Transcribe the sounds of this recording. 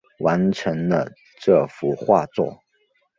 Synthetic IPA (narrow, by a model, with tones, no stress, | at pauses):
wa˧˥nʈ͡ʂʰə˧˥ŋd̪ə˧ | ʈ͡ʂɤ˥˩fu˧˥xwa̰˥˧t͡swɔ̰˥˩